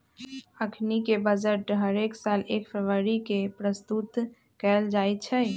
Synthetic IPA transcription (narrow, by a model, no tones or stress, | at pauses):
əkʰnikebəd͡ʒəʈɦəɾeksalekfʰeʋəɾikepɾəst̪ut̪ | kɛld͡ʒajt̪t͡ʃʰɛ